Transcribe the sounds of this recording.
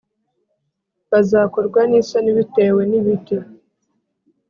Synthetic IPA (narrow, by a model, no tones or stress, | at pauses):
βazaːko̞ɾɡwanisaniβite̞ːwe̞niβiti